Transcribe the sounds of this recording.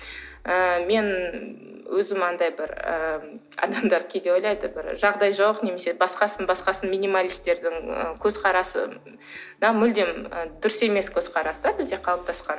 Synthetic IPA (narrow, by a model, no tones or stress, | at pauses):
əme̞n | wɵzɪmɑnd̪ɑjbɪɾə̰ | ɑ̰d̪ɑmd̪ɑɾkʲʰed̪eojlˠɑjd̪əbɪɾʒɑʁd̪ɑjʒɑwəqne̞me̞se̞bɑsqɑsənbɑsqɑsənminimalʲijst̪e̞ɾd̪ɪŋə̰kʲʰɵzqʰɑɾɑsə̰ | nɑmʏld̪e̞mə̰d̪ʏɾɪse̞me̞skʲʰɵzqʰɑɾɑsəd̪ɑbɪzd̪e̞qʰɑlˠəp̚t̪ʰɑsqɑn